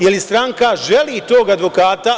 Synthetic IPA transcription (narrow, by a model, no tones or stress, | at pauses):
jelist̪ɾaŋkaʒe̞liːt̪o̞ːɡad̪ʋo̞kaːt̪a